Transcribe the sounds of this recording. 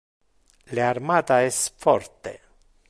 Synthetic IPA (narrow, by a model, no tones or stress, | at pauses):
learmat̪aest̪fɔ̰rt̪ḛ